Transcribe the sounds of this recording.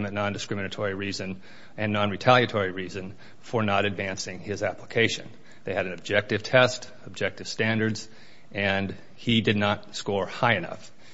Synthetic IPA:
mɨtnɑ̃ndɨskɹɪ̃mɨnɨtʰɔɹiɹizɨ̃n | ɨ̃nːɑ̃nɹitʰælˠjɨtʰɔɹiɹizɨ̃n | fə˞nəɾɨdvæ̃nsɪ̃ŋɪzæpʰləkʰeɪʃɨ̰̃n | ðeɪɨɾɨ̃n̩ɨb̚d͡ʒɛk̚tɨv̥tʰɛst | əb̚d͡ʒɛk̚tɨv̥stæ̃ndə˞dz̥ | ʔɨ̃n | idɨdⁿnət̚skɔɹhaɪɨnʌ̰f

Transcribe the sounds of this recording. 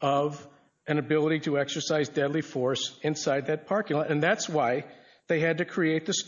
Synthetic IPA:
ʌv | ɨ̃nɨbɪlˠəɾiɾɨɛksə˞saɪzdɛdˡlifɔɹsɨ̃nsaɪd̪̚ðɨt̚pʰɑɹkɪ̃ɨ̃nðætswaɪ | ðeɪɨd̚tɨkʰɹ̥ieɪt̪̚ðɨs

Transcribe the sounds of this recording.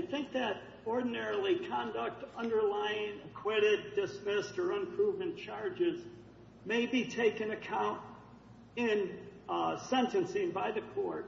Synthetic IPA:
aɪθɪ̃ŋk̚ðɨɾ | ɔɹdⁿn̩ɛɹl̩ˠikʰɑ̃ndək̚tʌ̃ndə˞laɪɪ̃ŋɨkʰw̥ɪɾɪd̚dɨsmɪstə˞ə̃mpʰɹ̥uvmɨ̃nt͡ʃʰɑɹd͡ʒɪz | meɪbitʰeɪkɨ̃nɨkʰãʊ̃nt | ɪ̃n | sɛ̃ntɨ̃nsɪ̃ŋbaɪðɨkʰɔɹt̚

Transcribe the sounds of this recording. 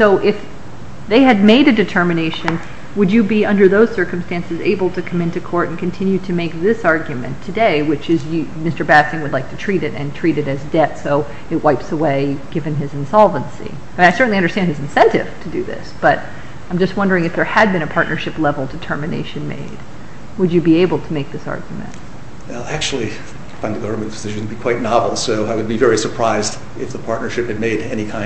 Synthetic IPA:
soʊʔɪf | ðeɪɨd̚meɪɾɨdɨtʰɜ˞mɨneɪʃɨ̃n | wɨd͡ʒɨbiʌ̃ndə˞ðoʊz̥sɜ˞km̩stæ̃nsɨzḛɪbl̩ˠtʰɨkʰʌ̃mɪ̃ntʉkʰɔɹɾ̃n̩kʰɨ̃n̩tʰɪ̃njʉɾɨmeɪk̚ðɪsɑɹɡjʉmɨ̰̃ntʰɨdeɪwɨt͡ʃɨzjɨmɪstə˞bæsɨ̃ŋwədˡlaɪk̚tʰɨtʰɹ̥iɾɨɾɨ̃ntʰɹ̥iɾɨɾɨzdɛtsoʊ | ɨt̚waɪpsəweɪɡ̥ɪvɨ̃nɪzɨ̃n̩sɑlˠvə̃nsḭ | m̃naɪsɜ˞ʔn̩liʌ̃ndə˞stæ̃nd̚ɨz̃n̩sɛ̃ntɪ̰v̥tʰɨdɨðɪ̰sb̥ʌɾ | ãɪ̃md͡ʒʌst̚wʌ̃ndə˞ɪ̃ŋɨfðə˞ɨd̚bɨ̃ɾ̃ɨpʰɑɹʔⁿnʔə˞ʃɨplɛvl̩ˠdɨtʰɜ˞mɨnḛɪʃɨ̃nmḛɪd̥̚ | wəd͡ʒɨbieɪbl̩ˠtʰəmeɪk̚ðɪsɑ̰ɹɡjmɨ̰̃nt̚ | ɛlˠæk̚t͡ʃul̩ˠi | fãɪ̃nðɨɡʌvə˞mɨ̃nkʰzɨʃɨdn̩b̥ikʰw̥aɪtⁿnɑvl̩ˠsoʊaɪwɨd̚bivɛɹisə˞pʰɹ̥aɪzd | ɨfðəpʰɑɹtⁿnə˞ʃɨp̚hɨd̚meɪɾɛñikʰãɪ̃

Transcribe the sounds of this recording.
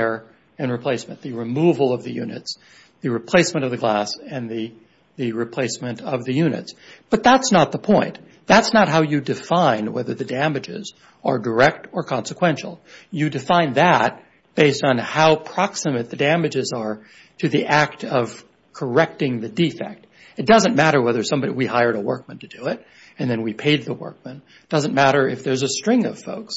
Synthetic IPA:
ɹ | ɨ̃nɹɨpʰl̥eɪsmɨ̃nðɨɹɨmuvl̩ˠʌvðɨjʉ̰nɨ̰ts | ðɨɹɨpʰl̥eɪsmɨ̃ɾ̃ʌvðɨɡlæsɨ̃nðɨ | ðɨɹɨpʰl̥eɪsmɨ̃nʌvðɨjʉnɨ̰tsb̥ʌt̪̚ðætsnət̪̚ðəpʰɔ̃ɪ̃n | ðætsnət̚ɦaʊjɨdɨfãɪ̃nwɛ̰ðə˞ðɨdæ̃mɨd͡ʒɪ̰z | ə˞də˞ɛk̚tə˞kʰɑ̃nsəkʰw̥ɛ̃nʃl̩ˠjɨdɨfãɪ̃nðət̚ | b̥eɪstn̩haʊpʰɹ̥ɑksɨmɨt̪̚ðɨdæmɨd͡ʒɪzə˞ | ɾʰɨðiʔæk̚tʰʌv̥ | kʰə˞ɛk̚tɪ̃ŋðɨdifɛ̰k̚t̚ | ɨt̚d̥ʌzə̃nmæɾə˞wɛðə˞sʌ̃mbɑiwihaɪə˞ɾəwɜ̰˞k̚mɨ̃ntʰɨdɨɪɾ | ɨ̃nðɨ̃nwipʰeɪd̪̚ðəwɜ̰˞k̚mə̃n | d̥ʌzɨ̃nmæɾə˞ʔɨ̰fðə˞zɨstɹ̥ɪ̃ŋʌ̰v̥foʊks

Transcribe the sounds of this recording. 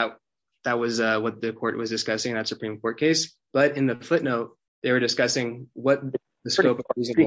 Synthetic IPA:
t̚ | ðət̚wʌzʌwʌt̪̚ðɨkʰɔɹʔ̚wʌzdɨskʌsɪ̃ŋnðɨtsɨpʰɹ̥ĩmkʰɔɹt̚kʰeɪs | b̥ʌɾɨ̃nðɨfʊtⁿnoʊt̚ | ðeɪwə˞dɨskʌsɪ̃ŋwʌt̪̚ | ðɨskoʊpzɨ̃

